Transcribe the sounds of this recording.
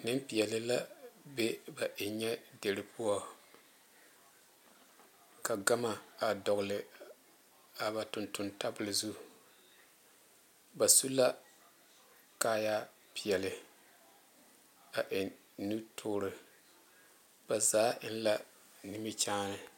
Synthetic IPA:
nɨ˦mpi˨jɛ˨lɪ˦la˦be˦ba˨ʔɪ˨ɲɛ˦de˨ɾɪ˨pʰu˦ɔ˦ | ka˨ɡa˦ma˨a˨dɔ˨ɣʊ˨lɪ˨ | a˨ba˨tʊ˨ntʊ˨nta˦bɨ˨lɨ˨zu˦ | ba˨su˦la˦ | kaː˦ja˦ | pi˨jɛ˨lɪ˨ | a˨ʔɪ˨ | nu˦tʰʊː˦ɾɨ˨ | b̥a˨zaː˨˦ɪ˦n˦la˦ | ni˦mi˦t͡ʃaː˦nɨ˨

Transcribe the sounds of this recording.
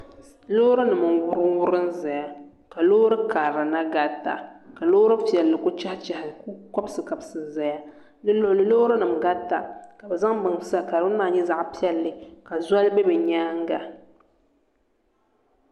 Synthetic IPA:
lo˦ɾɨ˦nɨ˨mɨ˨wʊ˦ɾɨ˦wʊ˦ɾɨ˦nza˨ja˨ | ka˨loː˦ɾɨ˦kaː˨ɾa˨na˦ɡa˦tːa̰˨ka˨lo˦ɾɨ˦pi˨ɛ˨lːɨ˨kʊ˦t͡ʃa˦ht͡ʃa˨hɪ˨kkɔ˦bsɨ˨ka˨bsɨ˨za˨ja˦ | nlɨ˦lo˨lɨ˨lo˦ɾɨ˦nɨ˨mɡa˦tːa˨ka˨bɛ˨za˦ŋbɨ˨ŋ˨sa˦ka˨ɾwʊ˦n˦maː˨ɲɛ˦za˦ʔpi˦ɛ˦lːɨ˨ka˨za˦lbɛ˦bɛ˨ɲaː˦ŋ˦ɡa˨

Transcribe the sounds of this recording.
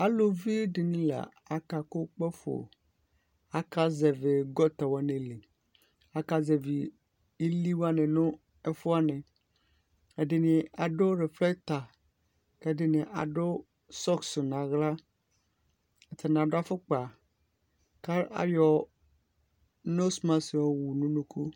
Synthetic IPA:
a˦lo˨vi˦ɖe˨nĩ˦la̰˨ | a˦ka˨ko˦k͡pɛ˦fo̰˨ | a˦ka˦zɛ˨ve˨ɡɔ˦t̪a˨wa˦nẽ˨le˨ | a˦ka˦zɛ˨vi˨ | i˦li˦wa˦nẽ˨nõ˦ | ɛ˦fo˦a˦nɛ̃˨ | ɛ˨ɖɪ˨nĩ˨a˨ɖo˦ɾe˨flɛ˦kt̪a˨ | kɛ˦ɖe˦nẽ˨ʔa̰˨ɖo˦ | sɔ˦kso˨nã˨ɣla˦ | e˨t̪e˨nã˨ɖa˦fo˦k͡pa˨ | ka˦a̰˨jɔ˨ | no˦smã˦si˨wo˦wu˨nũ˦nũ˦ku˦

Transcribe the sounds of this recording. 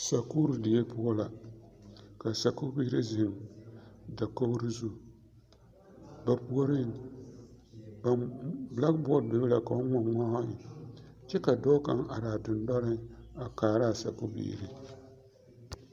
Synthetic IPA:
sa˨ku˦ɾɨ˨dɪ˨je˦pʊ˦ɔ˦la˨ | ka˨sa˨kʊ˦bi˦ɾi˦zɪ˨m | da˨ko˦ɾɨ˦zu˦˨ | ba˨pu˦o˦ɾɪ˦ŋ | ba˨bla˦ɡbɔ˦˨bɪ˨bla˨ka˨o˦ŋa˦ma˦a˦ɪ˨t͡ʃɛ˦ka˨dɔ˦ka̰˦ŋa̰˨daː˨dʊ˨ndɔ˦ɾɪ˦a˨kaː˨ɾa˦˨sa̰˨ku˦bḭː˦˨ɾi˦

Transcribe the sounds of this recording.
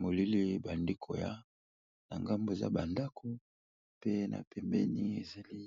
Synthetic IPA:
mo˨li˦li˦ba˨ndi˦kʰo˨ja̰˦ | na˨ŋɡa˦mbo˦˨za̰˦ba˨nda˦kʰo˦ | pe˦nʔa̰˨pʰɛ˨mbɛ̰˦ni˦e˨za˨li˦

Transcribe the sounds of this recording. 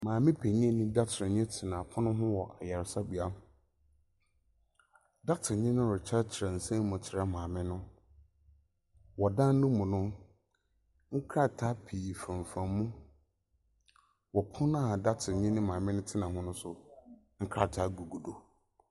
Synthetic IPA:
mãː˨mɪ̃˦pʰe˨ɲĩ˦ɛ˦nĩ˦da˦t͡ɕʰɪ˨ɪ̃˨ɲɛ̃˦tʰɪ˨nã˨pʰʊ̃˦nʊ̃˦ɦʊ̃˦wɔ˨ʔa˨jɛ˨ɾsa˦bu˨a˦ | da˦tʰɪ˨ɲɪ̃˦nʊ̃˦ɾʊ˨t͡ɕʰa˦t͡ɕʰɪ˨ɾã˨n̩˨sẽ˦m˦mʊ̃˨t͡ɕʰɪ˨ɾa˦mãː˨mɪ̃˦nʊ̃˦ | wɔ˨dã˦n˦nʊ̃˦mʊ̃˨nʊ̃˦ | ŋ̩˦kʰɾa˦tʰa˦pʰi˨fã˨ɱ˨fã˨mmũ˦ | wɔ˨pʰʊ̃˦nã˦a˨da˦tʰɪ˨ɲɪ̃˦nɪ̃˦mãː˨mɪ̃˦nʊ̃˦tʰɪ˦nã˨ɦʊ̃˦nʊ̃˦sʊ˨ | ŋ̩˦kʰɾa˦˨tʰa˦ɡu˨ɡu˨do˨

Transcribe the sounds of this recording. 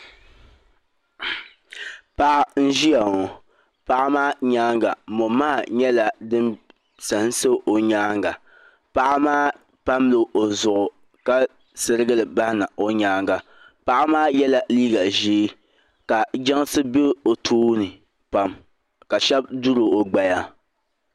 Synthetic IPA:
pa˦ʔa˦n̩˦ʒi˦ja˨ŋo˨ | pa˦ʔa˦maː˦ɲaː˦ŋɡa̰˨mo˨maː˦˨ɲɛ˦la˨dɨ˦m | sa˨˦n˦sɨ˦ʔo˨ɲaː˦ŋɡa˨ | pa˦ʔmaː˦ | pa˦mlɨ˨ʔo˨zʊ˨ʔʊ˨ | ka˦ | sɨ˦ɾɨ˦ɡɨ˦lɨ˨ba˦hɪ˦na˨o˦ɲaː˦ŋɡa˨ | pa˦ʔa˦maː˦jɛ˦la˦liː˦ɡa˨ʒiː˦ | ka˨d͡ʒa˦ŋ˦sɨ˦be˦o˨tʰuː˦nɨ˨ | pa˦m | ka˨ʃɛ˦b̚du˦ɾo˨o˨ɡ͡ba˨ja˦

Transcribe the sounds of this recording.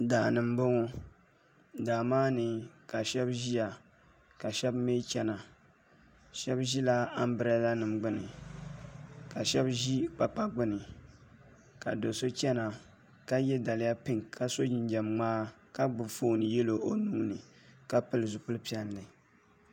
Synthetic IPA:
da˨nɨ˨mbo˦ŋɔ˦ | daː˨maː˦nɨ˨ka˨ʃɛ˦bʒi˦ja˨ | ka˨ʃɛ˦bme˦t͡ʃɛ˦na˨ | ʃɛ˦bʒi˦la˦a˦m˦bɨ˦ɾa˦la˦nɨ˨mɡ͡bɨ˦nɨ˨ | ka˨ʃɛ˦bʒi˦k͡pa˨k͡pa˦ɡ͡bɨ˦nɨ˨ | ka˨do˨so˦t͡ʃɛ˦na˨ | ka˦jɛ˦da˨lɪ˨ja˦pɨ˦ŋkʰa˨so˦d͡ʒɪ˨nd͡ʒɛ˨mŋ͡maː˦ka˦ɡ͡bɨ˨fo˦nɨ˨jɛ˦lo˨o˨nuː˦nɨ˨ | ka˦pɨ˦lɨ˨zʊ˨pʊ˦lɨ˦pi˦ɛ˦n˨lɨ˨

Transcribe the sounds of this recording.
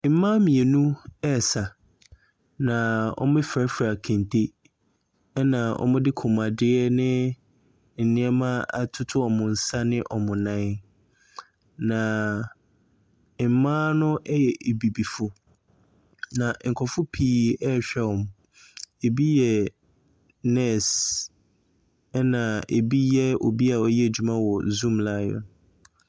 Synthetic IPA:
m̩˨˦mã˦mĩ˨e˨nũ˦ɛ˦˨sa˨ | nã˨ɔ̰˦m˦ɪ̃˦fɾɛ˦fɾa˨kʰẽ˨ntʰe˦ | ɛ˦nã˨ɔ̰˦mʊ̃˦dɪ˦kʰʊ̃˨mã˨dɪ˦ɛ˦nɪ̃˦ | n̩˨nɪ̃˦ɛ˦mã˦a˨tʰʊ˦tʰʊ˦ɔ˨mʊ̃˨n̩˨sa˦nɪ̃˦ʔɔ˨mʊ̃˨nã˦n | nã˨˦ | mãː˦nʊ̃˦ʔɛ˦jɛ˨ʔe˨bi˨bi˨fʊ˨ | nã˨ŋ̩˨kʰɔ˨fʊ˦pʰiː˦ɛ˦ɕᶣɛ˦ɔ˨m | e˨bi˦jɛ˨ | nɛ˦˨s | ɛ˦nã˨e˨bi˦jɛ˦o˨bi˦a˨ɔ˦jɛ˦e˨d͡ʑᶣu˨mã˦wɔ˨zũ˦mlaː˦jɔ̰˨n

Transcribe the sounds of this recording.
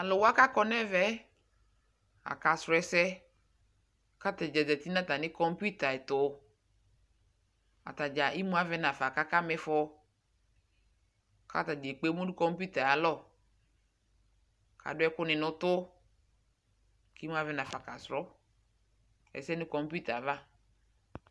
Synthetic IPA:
a˨lɔ˨wa˦ka˦kɔ˦nɛ˦vɛ˦ | a̰˨ka˨sɾɔ˨˦ɛ˨sɛ˦ | ka˦tɛ˨d͡ʒɛ˨dɛ˨t̪i˦nã˦t̪a˨nɪ̃˦kɔ˦m˦pu˦t̪a˨ɛ˨t̪ʊ˨ | a̰˨t̪a˨d͡ʒa˨ʔi˦mũ˦a˦vɛ˦na˨fa˨ka˦ka˦mɛ˦fɔ˦ | ka̰˦ta˨d͡ʒe˨k͡pe˦mu˦dʊ˦kɔ˦mpu˦t̪a˨a˨lɔ˦˨ | kʰa̰˨dʊ˦ɛ˦kʊ˦nɪ˨nʊ̃˦t̪ʊ˦ | ki˦mũ˦a˦vɛ˦nã˨fa˨ka˨sɾɔ˦ | ɛ̰˨sɛ˦nɪ̃˦kɔ˦mpu˦t̪a˨va˦

